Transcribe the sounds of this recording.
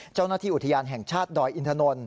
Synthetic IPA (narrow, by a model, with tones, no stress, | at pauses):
t͡ɕa˥˩wnaː˥˩t̪ʰiː˥˩ʔu˨˩t̪ʰa˧jaː˧nɦɛː˨˩ŋt͡ɕʰaː˥˩t̪̚dɔː˧jʔi˧nt̪ʰa˧no˧n